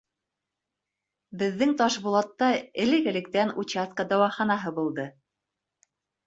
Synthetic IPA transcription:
bɘ̆ðːɘŋt̪ɑʃbulˠɑt̪ːɑɘ̆lɘ̆ɡɘ̆lɘ̆k̚t̪ænut͡ɕaskəd̪æwɑχɑnɑɦɤbulˠd̪ɤ

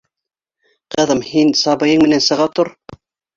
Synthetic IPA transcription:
qɤ̆ðɤmhinsɑbɤ̆jɤɴmɘ̆nænsɤ̆ʁɑt̪oɾ

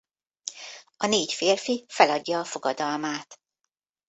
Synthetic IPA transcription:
ɒneːcfeːrfifɛlɒɟːɒːfo̞ɡɒd̪ɒlmaːt̪

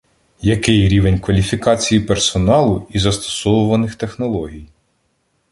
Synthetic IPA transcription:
jɐkɪjɾʲiʋe̞nʲkʋɐlʲifʲikɑt͡sʲijipersɔnɑlˠʊizɐst̪ɔ̥sɔʋʊʋɐnɪxt̪e̞xnɔlˠɔɦʲij

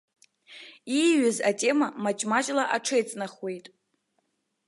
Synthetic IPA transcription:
iɥɪzatʼe̞mamat͡ʃʼmat͡ʃʼlaʔaʈ͡ʂʰejt͡sʼnaχwe̞jtʼ

